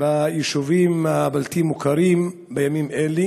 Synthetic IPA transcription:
vajiʃuvimabalt̪imːukaɾim | bejamimeli

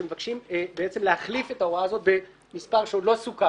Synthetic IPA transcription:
emevakʃimbeet͡se̞mlehaχlifet̪aoʁaːzo̞t̪̚be̞ | mispaʁʃeulo̞suka

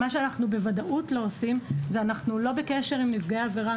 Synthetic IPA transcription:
aʃeanaχnube̞vadaʔutlo̞osimzeanaχnulo̞bekeʃe̞ʁimmifɡeːveʁa

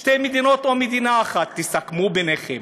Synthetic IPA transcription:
ʃt̪ejmed̪inot̪omed̪inaːχat̪ːisakmubeneχem

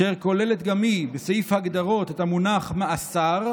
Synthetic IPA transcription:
eʁko̞le̞let̪ɡamibesajifhaɡd̪aʁo̞t̪et̪amunaχmeasaʁ

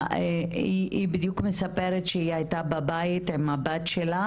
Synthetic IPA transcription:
iibid̪jukmesapeɾet̪ʃeiajt̪ababajt̪emabat̪ʃela

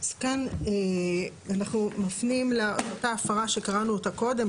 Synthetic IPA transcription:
zkane | anaχnumafnimleootaːfaʁaʃe̞kaʁanuotako̞de̞m

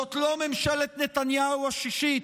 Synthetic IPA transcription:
ot̪lomemʃɛlet̪net̪anjauaʃiʃi

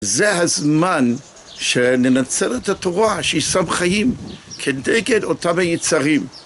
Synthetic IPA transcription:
zeɦazman | ʃenenat͡selethato̞ʁaʃeisamχajimkʰeneɡedotamhajit͡saʁim

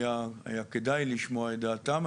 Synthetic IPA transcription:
jaa̰jaked̪ajliʃmoaetdaːt̪am

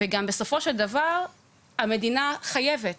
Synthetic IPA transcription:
veɡambe̞so̞fo̞ʃeld̪avaʁ | amed̪inaχaje̞vet

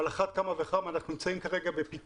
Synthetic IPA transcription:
laχat̪̚kamaveaχamanaχnunimt͡saimkaʁeɡabepit

